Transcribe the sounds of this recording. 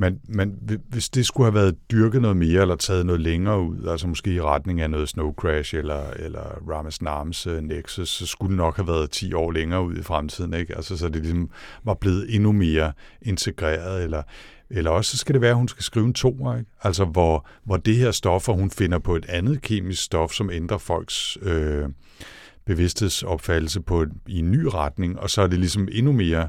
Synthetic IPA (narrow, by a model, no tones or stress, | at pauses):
menmeneʋe̝sd̥e̝sɡ̥uhæʋæːɐð̩ˠd̥yɐɡ̥ð̩ˠnɔ̽ːð̞̩ˠme̝ːɐelɐt͡sʰɛ̰ːð̞ˠnɔ̽ːð̞̩ˠleŋɐːuð̰ˠælsɐmɔ̽sɡ̥e̝̰ːiʁɑd̥ne̝ŋænɔ̽ːð̞̩ˠsnoʊkʰʁæʃelɐelɐʁɑ̈məsnɑːmsøneɡ̥susːɒ̽sɡ̥ud̥enɒ̽ɡ̥hæʋæːɐð̞̩ˠt͡sʰḭːɒ̰ːleŋɐːuð̞̰ˠifʁamt͡sʰið̰ˠn̩eɡ̥ælsɐs̬ɒ̽d̥elisɒ̽mʋɑ̈b̥le̝ːð̩ˠe̝nume̝ːɐʔe̝nt͡sʰe̝ɡ̥ʁḛːɐð̩ˠelɐ | elɐɒ̽ssɒ̽sɡ̥æɾe̝ʋæːɐhunsɡ̥æsɡ̥ʁiːʊnt͡sʰo̝̰ːɐeɡ̥æl̰s̬ɒʋɒʋɒd̥eheɐ̰sd̥ɒ̽fɒhunfe̝nɐpʰɒ̽e̝d̥ænð̞̩ˠkʰe̝̰ːmisɡ̥sd̥ɒ̽fsɒ̽mend̥ʁɐfɒ̽l̰ɡ̥sø | b̥e̝ʋe̝sd̥he̝ð̰ˠsɒ̽b̥fæd̥l̩səpʰɒ̽ienːy̰ːʁad̥ne̝ŋɒ̽sɒæɐd̥e̝lisɒ̽me̝nume̝ːɐ